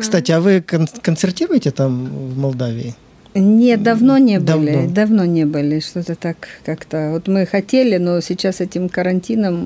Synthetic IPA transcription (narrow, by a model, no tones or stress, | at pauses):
kst̪atʲɪavɨkənkənt̪sʲɪrtʲiɾʊjɪtʲɪt̪amvmɐlˠd̪avʲɪ̰ɪ | nʲet̪̚d̪ɐvno̞nʲe̞b̪ɨlʲɪd̪ɐvno̞nʲe̞bɨlʲɪʂt̪ot̪ət̪akkːakt̪əvo̞t̪mɨxɐtʲelʲɪnosʲɪt͡ɕːasɛtʲɪmkəɾɐnʲtʲinəm